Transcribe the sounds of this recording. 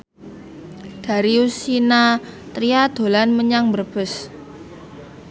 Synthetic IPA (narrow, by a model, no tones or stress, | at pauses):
d̪̥a̤ɾiusinat̪ɾiad̪̥o̤lanməɲaŋbərb̥ə̤s